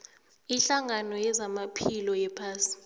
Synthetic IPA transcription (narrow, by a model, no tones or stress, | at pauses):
iɬaŋanɔjɛzamapʰilɔjɛpʰaːsi̥